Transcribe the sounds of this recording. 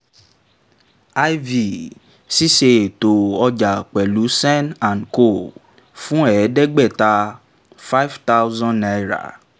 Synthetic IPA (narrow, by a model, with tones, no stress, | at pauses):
a˦jvi˨ | si˦ʃe˧e˨to˨ɔ˧d͡ʒa˨k͡pɛ˨lu˨˦sɛ̃˦nã˨nko˦˨ | fũ˦ɛ˨˦dɛ˦ɡ͡bɛ˦˨ta˧ | fa˦jvta˦wzɔ̃˦a˨˧jɾa̰˨